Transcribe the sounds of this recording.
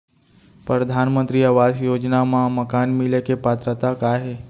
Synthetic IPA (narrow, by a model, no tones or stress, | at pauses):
pɾəd̪ʱanmə̃nt̪ɾiəʋasjod͡ʒnamãməkanmilekepat̪ɾət̪akaɦe